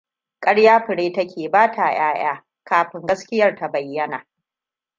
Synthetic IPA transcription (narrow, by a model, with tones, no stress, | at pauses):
kʼɐ˦ɽjaː˦ɸɪ˨ɽeː˦tɐ˦kʲʰeː˨baː˦tʰaː˨j̰aː˦j̰aː˦ | kaː˨ɸɪ˦ŋɡɐ˦skʲɪ˦jɐ˦rta˨bɐ˨jːɐ˦na̰ː˨